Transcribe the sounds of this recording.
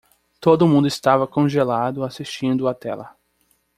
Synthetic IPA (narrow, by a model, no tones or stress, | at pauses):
t̪od̪ʊmũnd̪ʊɪst̪avɐkõʒelad̪ʊasiʃt͡ʃĩnd̪ʊat̪ɛ̰lɐ̰